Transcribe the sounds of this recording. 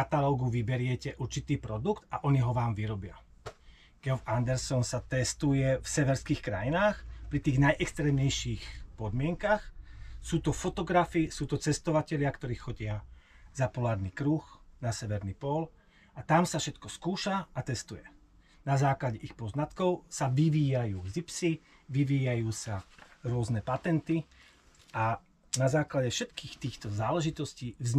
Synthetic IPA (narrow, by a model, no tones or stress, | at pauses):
kat̪alɔːɡuʋibɛɾɪɛcɛʔuɾt͡ʃit̪iːpɾɔd̪ukt̪aʔɔɲiɦɔʋaːmʋiɾɔbɪa̰ | ɡ̥ɛɔfand̪ɛɾsɔnsat̪ɛst̪ujɛfsɛʋɛɾskiːxkɾajinaːxpɾit̪iːɣnajʔɛkst̪ɾɛːmɲɛjʃiːxpɔd̪mɪɛŋkaxsuːt̪ɔfɔt̪ɔɡɾafisuːt̪ɔt͡sɛst̪ɔʋacɛʎɪakt̪ɔɾiːxːɔɟɪazapɔlaːɾnikɾuːxnasɛʋɛɾnipɔl | at̪amsafʃɛt̪kɔskuːʃaat̪ɛst̪ujɛ | nazaːklaɟɛʔixpɔznat̪kɔʊsaʋiʋiːjajuːɡzipsi | ʋiʋiːjajuːsaɾʊɔznɛpat̪ɛnt̪i | a | nazaːklaɟɛfʃɛt̪kiːxt̪iːxt̪ɔzaːlɛʒit̪ɔsciːʋz